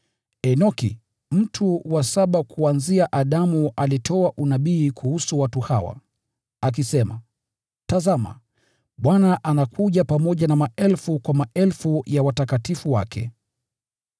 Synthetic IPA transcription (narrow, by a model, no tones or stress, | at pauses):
ɛnɔkḭ | m̩tʰuwasaɓakʰuanziaʔaɗamuʔalitʰɔaʔunaɓiːkʰuhusuwatuhawa̰ | ak̬isɛma̰ | tazama̰ | ɓwanaʔanakuʄapamɔʄanamaʔɛlfukwamaʔɛlfujawatakatifuwa̰kʰɛ̰